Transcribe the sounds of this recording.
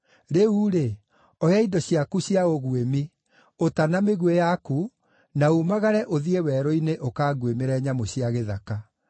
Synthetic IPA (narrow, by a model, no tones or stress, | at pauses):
ɾeuɾe | ɔjaidɔɕiakuɕiaɣoɣwemi | otanameɣwejaku | naumaɣaɾɛʔoðiewɛɾɔineʔokaːɡwemeɾɛɲamoɕiaɣeðaka